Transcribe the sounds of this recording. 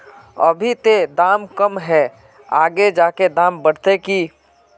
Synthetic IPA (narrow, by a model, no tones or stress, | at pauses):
ɐ̰bʱit̪ed̪aːmkəmɦɛː | aːɡed͡ʒaːked̪aːmbəɽ̤t̪ekiː